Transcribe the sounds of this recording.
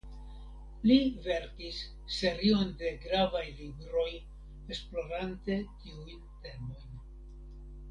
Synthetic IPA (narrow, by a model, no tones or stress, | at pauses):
live̞ɾkisː | e̞ɾio̞nde̞ɡɾavajlibɾo̞j | esplo̞ɾante̞tiujnte̞mo̞jn